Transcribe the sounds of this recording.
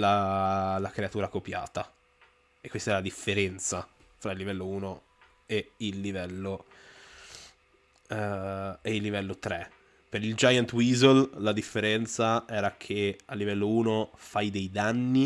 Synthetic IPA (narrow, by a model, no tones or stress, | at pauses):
lalakɾeat̪uːɾakopja̰ːt̪a | ekːwest̪aɛɾalad̪ifːeɾɛnt̪sa | fɾailːivɛlːouːno | eilːivɛlːo | eilːivɛlːot̪ɾe | peɾild͡ʒajant̪wizolːad̪ifːeɾɛnt̪saɛːɾakʰealːivɛlːouːnofajd̪ejd̪anːi